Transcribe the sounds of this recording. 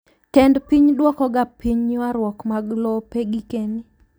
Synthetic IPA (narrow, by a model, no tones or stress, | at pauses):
kɛndpiɲdwɔkɔɡapiɲwaɾwɔkmaɡlɔpeɡikeni